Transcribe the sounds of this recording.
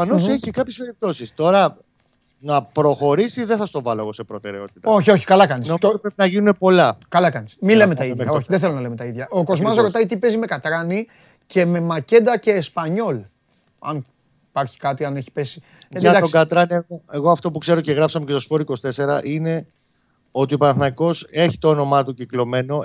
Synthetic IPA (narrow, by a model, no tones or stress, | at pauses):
ɐnoseçikɐpçespe̞ɾip̚t̪o̞sist̪o̞ɾɐ | nɐpɾo̞xo̞ɾisiðesɐst̪o̞vɐlo̞eɣo̞se̞pɾo̞t̪e̞ɾe̞o̞t̪i̥t̪ɐo̞çio̞çi̥kɐlɐkɐnisnomozopɾepinɐʝinune̞po̞lɐkɐlɐkɐnismile̞met̪ɐiðɐoçiðeθelonɐlemet̪ɐiðʝɐʔoko̞zmɐsɾo̞t̪ɐit̪ipe̞zime̞kɐt̪ɾɐni | ce̞me̞mɐce̞nd̪ɐce̞ːspɐɲo̞l | ɐ̰n | pɐɾçi̥kɐt̪iɐne̞çi̥pe̞si̥ | ɐt̪d̪ɐoɡɐt̪ɾɐnieɣoeɣo̞ɐft̪o̞pukse̞ɾoce̞ɣɾɐpsɐmecest̪o̞spo̞ɾikost̪ese̞ɾɐ̰ʔine̞ | o̞t̪iopɐnθnɐiko̞se̞çit̪oono̞mɐt̪uciklo̞me̞no̞